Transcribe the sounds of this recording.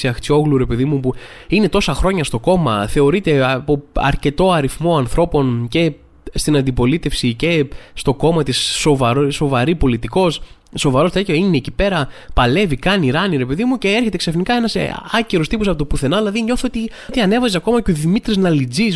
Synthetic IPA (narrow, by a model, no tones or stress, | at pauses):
siɐxt͡sio̞ɣluɾe̞pe̞ðimupuine̞t̪o̞sɐxɾo̞ɲɐst̪o̞ko̞mɐθe̞o̞ɾit̪e̞ɐpoɐ̰ɾce̞t̪o̞ɐɾifmo̞ɐnθɾo̞po̞nce̞ | st̪inɐnd̪ipo̞lit̪e̞fsice̞st̪o̞ko̞mɐt̪isːo̞vɐɾso̞vɐɾipo̞lit̪iko̞s | sːo̞vɐɾo̞t̪ecoinecipe̞ɾɐpɐle̞vikɐniɾɐniɾe̞pe̞ðimuce̞eɾçe̞t̪eksɐfnikɐe̞nɐsɐceɾost̪iposɐpot̪opuθe̞nɐðilɐðiɲo̞θot̪it̪iɐne̞vɐzesɐko̞mɐceoðimit̪ɾiznɐlid͡zis